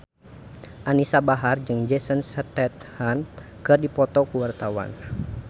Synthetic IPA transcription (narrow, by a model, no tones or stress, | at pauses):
ʔanisabaɦard͡ʒɨŋd͡ʒɛsənsət̪ɛt̪̚han | kɨrdipɔt̪ɔkuwart̪awa̰n